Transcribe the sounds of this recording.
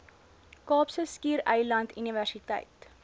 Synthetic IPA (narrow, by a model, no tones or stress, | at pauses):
kɑːpsəskiːɾəjlɐntyniværsitə̰jt